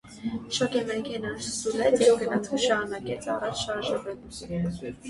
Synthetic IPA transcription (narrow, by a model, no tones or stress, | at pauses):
ʃɔkɛmɛkʰɛnɑnsulɛt͡sjɛvɡənɑt͡sʰuʃɑɾunɑkɛt͡sʰɑrɑt͡ʃʰʃɑɾʒəvɛn